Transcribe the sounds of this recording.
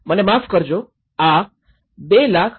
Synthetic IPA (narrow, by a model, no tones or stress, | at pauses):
mənemafkəɾd͡ʒo | a | belakʰ